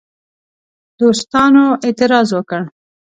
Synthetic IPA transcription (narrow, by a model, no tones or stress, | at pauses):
d̪̥ost̪ɑnoʔet̪ɪɾɑzwəkəɽ